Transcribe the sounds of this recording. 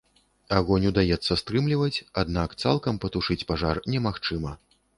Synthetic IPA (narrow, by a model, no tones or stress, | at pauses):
aɣɔnʲud̪ajɛt̪sːɐst̪ɾɨmlʲivɐt͡sʲad̪nakt̪sa̰lˠkɐmpɐt̪uʂɨt͡sʲpaʐarnʲɛmaxt͡ʂɨmɐ